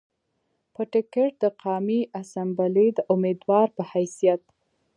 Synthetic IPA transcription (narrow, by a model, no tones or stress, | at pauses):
pəʈɪkeʈ̚d̪əqɑmiʔasambalid̪əʔʊmed̪wɑɾpəhajsijat̪̚